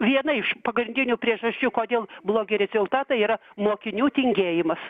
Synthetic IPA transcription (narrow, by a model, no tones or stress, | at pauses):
ʋʲiɛnɐɪʃpɐɡɾʲɪnʲd̪ʲɪnʲʊpʲɾʲiɛʒɐsʲt͡ʃʲuːkoːd̪ʲeːlˠblˠoːɡʲɪɾʲɛzʲʊlˠt̪ɑːt̪ɐiːɾɐmoːkʲɪnʲuːt̪ʲɪŋʲɡʲeːjɪmɐs